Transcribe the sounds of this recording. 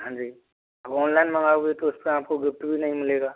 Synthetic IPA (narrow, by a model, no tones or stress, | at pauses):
ɦãɲd͡ʒiː | ɐbɔːnlaɪnmɐ̃ŋɡaːɦuet̪oʊspeɾaːpkoɡɪp̚ʈbʱinɐɦĩmɪleːɡaː